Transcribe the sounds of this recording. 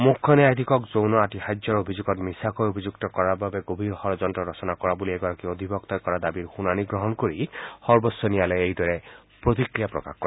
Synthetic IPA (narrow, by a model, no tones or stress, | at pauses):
mukʰːɔnɛajd̪ʱikɔkzownɔaʈihajd͡ʒjɔɾobʱid͡ʒuɡɔt̪misakɔjobʱid͡ʒukt̪ɔkɔɾababeɡobʱiɾhɔɾɔd͡ʒɔnʈɔɾɔsɔnakɔɾabulieɡaɾɔkiod̪ʱibʱɔkt̪ajkɔɾad̪abiɾxunaniɡɾɔɦɔnkoɾihɔɾbɔsɔnijaleejd̪ɔɾe | pɾot̪ikɾijapɾɔ̰ka̰hkːɔɾe